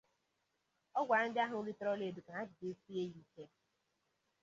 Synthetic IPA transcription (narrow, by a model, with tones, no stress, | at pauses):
ɔ˦ɡʷa˨n̩˦dɪ˦a˦ɦʊ˨o˦li˦tɔ˦ɾɔ˦le˨du˨ka˨a˦d͡ʒɪ˨de˨˦si˦e˦ji˦ke˦